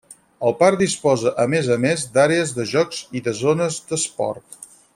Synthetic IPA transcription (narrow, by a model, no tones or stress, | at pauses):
əlˠpaɾd̪ispɔzəʔəmezəmezd̪aɾeəzðəʒɔkz̥iðəzonəzd̪əspɔ̰rt̪